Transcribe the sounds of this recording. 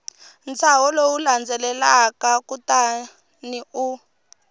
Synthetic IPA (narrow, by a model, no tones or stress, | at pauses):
nt͡sawɔlowuland͡zɛlɛlakakuta | niu